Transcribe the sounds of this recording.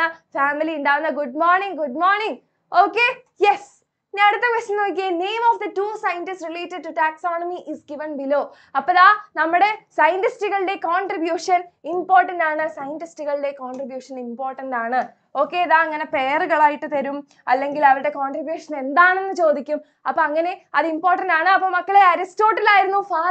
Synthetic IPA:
ɐfaːmiliuɳɖaːʋunːɐɡuɖ̚moːɾniŋɡuɖmoːɾniŋ | oːkːe | jes | ɲaeɽut̪ːɐkʋɐsɐnːoːk̬ʲːiɐne̞ːmɔːfd̪ɐtuːsɐjɐntisrileːtːɐɖ̚tuʈaːksoːnɐmiʔisɡiʋɐnbiloː | ɐpːɐɭaːnɐmːuɽe̞sɐjɐntistiɣɐɭɽe̞koːɳʈribjuːʂɐnimpoːrʈːɐndaːɳɨsɐjɐntistiɣɐɭɨɽe̞koːɳɖribjuːʂɐnimpoːrʈːɐndaːɳɨ | o̞ːkːe̞ːɐðaːɐŋːɐne̞pe̞jɐrɨɣɐɭaːjiʈːɨt̪ɐɾum | ɐ̰lːe̞ŋɡilɐʋɐɾɨɽe̞koːɳɖribjuːʂɐne̞nd̪aːɳenːɨt͡ɕo̞ːd̪ikʲːum | ɐpːoːɐŋːɐne̞ɐðɨimpoːrʈːɐndaːɳɨɐpːoːmɐkːɐɭeɐɾisto̞ːʈːɐlaːjiɾunːufaː

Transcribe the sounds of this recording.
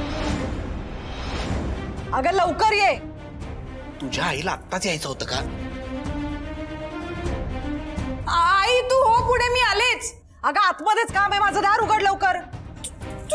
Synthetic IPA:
əɡələwkəɾje | t̪ud͡ʑʱjaːila̰t̪ːat͡siajt͡səɦot̪əːka | ait̪uːɦokuɽ̃emiːalet͡s | əɡaat̪məd̪ʱet͡skamɦemad͡zʱəd̪aɾuɡəɽləʋkəɾ

